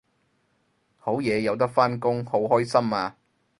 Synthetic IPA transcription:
ho˨˥wjɛː˨˧jɐ˨˧wt̪ɐ˥k̚faː˥nkʊ˥ŋho˨˥wɦɔː˥jsɐ˥maː˧

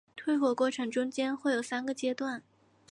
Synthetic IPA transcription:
t̪ʰwe˥ɪxwɔ˥˧kwɔ˥˩ʈ͡ʂʰɤ˧˥ŋʈ͡ʂʊ˥ŋt͡ɕjɛ˥nxwe˥˩jo˨˩ʊsa˥nɡə˨t͡ɕjɛ˥t̪wa˥˩n

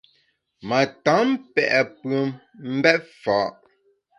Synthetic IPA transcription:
ma˨ta˨˦m˦pɛ˨ʔɛ˨pə˨˦m | m̩˦bɛ˦t̚fa˨˦ʔ

